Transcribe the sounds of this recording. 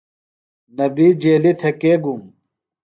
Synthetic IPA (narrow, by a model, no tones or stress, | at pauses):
nɐbiːd͡ʑeːlit̪ʰekeːɡum